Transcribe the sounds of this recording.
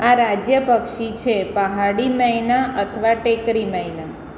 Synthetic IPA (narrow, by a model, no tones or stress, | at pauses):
aɾad͡ʒjəpəkʃit͡ʃʰepəɦaɽiməjnaʔət̪ʰəʋaʈekɾiməjna